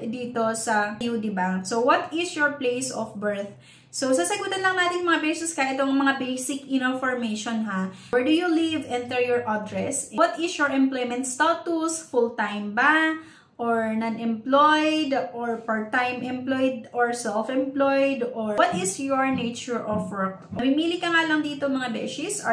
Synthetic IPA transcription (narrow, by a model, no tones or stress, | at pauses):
d̪iːt̪o̞sɐjud̪ɪbasowɔt̪ɪsjɔɹplejsɔfbɛɹθ̚ | sowsɐsɐɡuːt̪ɐlɐŋnaːt̪ɪnmɐŋabɛɹsʊskɐʔɛt̪oŋmɐŋabejsɪkɪnofɔɹmejʃonɦa | wɛɹd̪ujulivʔɛ̃nt̪ɛɹjɔɹʔad̪ɹɛswɔt̪ɪsjɔɹʔɛ̃mplojmɛ̃nt̪st̪ot̪usfult̪ajmba | ʔoɹnɐnʔɛmplojd̪ʔoɹpaɹt̪ajmʔɛ̃mplojd̪̚ɔɹsɛlfɛmplojd̪ɔwɔt̪ɪsjɔɹnet͡ʃʊɹʔɔfwɛɹk̚mɪmiːlɪkɐŋalɐŋd̪iːt̪omɐŋabɛ̰sɪsɐ